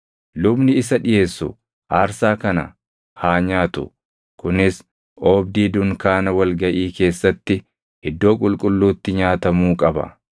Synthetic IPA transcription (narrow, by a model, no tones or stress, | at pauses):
lʊbnɪɪsɐᶑɪje̞ːsːʊ | ʔaːɾsaːkɐnɐ̰ | haːɲaːt̪ʊ̰ | kʊnɪs | ʔoːbd̪iːd̪ʊŋkaːnɐwɐlɡɐʔiːke̞ːsːɐt̪ːɪ | hɪd̪ːo̞ːkʼʊlkʼʊlːuːt̪ːɪɲaːt̪ɐmuːkʼɐbɐ̰